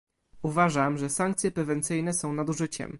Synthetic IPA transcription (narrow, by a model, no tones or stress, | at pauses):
uvaʐamʐɛsaŋk̚t̪sʲjɛpɾɛvɛnt̪sɘjnɛsɔ̃w̃nad̪uʐɘt͡ɕɛ̰m